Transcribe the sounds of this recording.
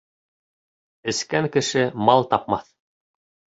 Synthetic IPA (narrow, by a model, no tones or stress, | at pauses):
ɘ̆skæŋkɘ̆ʃɘmɑlˠt̪ɑp̚mɑθ